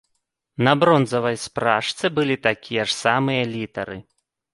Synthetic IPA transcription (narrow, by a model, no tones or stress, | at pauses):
nɐbɾɔnzɐvɐjspɾaʂsʲɛbɨlʲit̪akʲʰijɐʂsamɨjɐlʲit̪ɐɾɨ̰